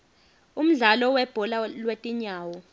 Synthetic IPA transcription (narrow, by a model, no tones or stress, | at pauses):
um̩ɮalɔwɛb̥ʱɔlalwetʼiɲaːwɔ